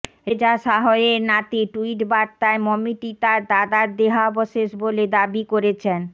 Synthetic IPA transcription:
ɾed͡ʑaʃaɦoeɾnat̪iʈuiʈbaɾt̪aemɔmiʈit̪aɾd̪ad̪aɾd̪eɦabɔʃeʃboled̪abikoɾet͡ɕʰen

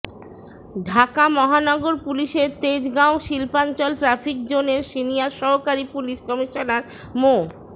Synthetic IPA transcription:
ɖʱakamɔɦanɔɡoɾpuliʃeɾt̪ed͡ʑɡaoʃilpant͡ɕɔlʈɾafʰikd͡ʑoneɾʃinijaɾʃɔɦokaɾipuliʃkɔmiʃonaɾmo

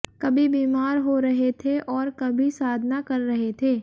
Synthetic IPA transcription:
kɐbʱibiːmaːɾɦoɾɐɦet̪ʰeʔɔːɾkɐbʱisaːd̪ʱnakɐɾːɐɦet̪ʰeː

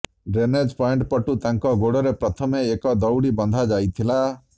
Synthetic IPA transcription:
ɖɾened͡ʒpɔeɳʈpɔʈut̪ãŋkɔɡoɽɔɾepɾɔt̪ʰɔmeːkɔd̪ɔwɽibɔnd̪ʱad͡ʒajt̪ʰila

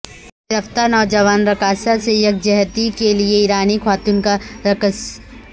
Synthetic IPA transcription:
ɾəft̪anɔːd͡ʒəʋaːnɾɐkaːsasejɐk̚d͡ʒɐɦt̪ikelieiːɾaːnikʰwaːt̪ʊnkaɾɐkəs

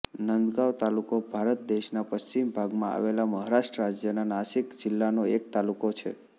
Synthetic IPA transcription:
nənd̪ɡaʋt̪alukobʱaɾət̪̚d̪eʃnapəst͡ʃimbʱaɡmãa̰ʋelaməɦaɾaʃʈəɾad͡ʒjənanaʃikd͡ʒɪlːanoek̚t̪alukot͡ʃʰḛ

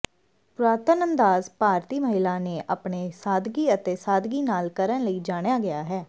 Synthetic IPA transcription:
pɾaːt̪ənə̃nd̪aːzpaːɾt̪iːməɦɪlãːneːʔapɳeːsaːd̪ɡiːət̪eːsaːd̪ɡiːnaːlkəɾənləiːd͡ʒaːɽ̃jaːɡɪjaːɦɛː

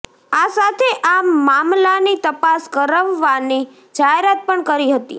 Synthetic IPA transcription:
asat̪ʰeʔammamlanit̪əpaskəɾəʋːani | d͡ʒaɦeɾat̪̚pəɳkəɾiɦət̪ḭ

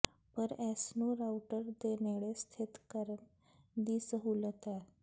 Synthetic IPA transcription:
pəɾɛsnoɾawʈəɾd̪eneɭest̪ʰit̪kəɾən | d̪iːsəɦulət̪a

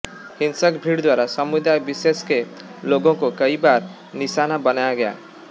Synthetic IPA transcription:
hinsʌkbʱiɽd̪waɾasʌmud̪ajbiseskeloɡõkokʌibaɾ | nisanabʌnajɡja̰

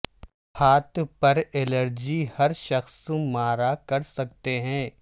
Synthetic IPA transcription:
haːt̪pɐɾeləɾd͡ʒihɐɾʃɐxsũmaːɾakɐɾsɐk̚t̪eɦɛ̃ː

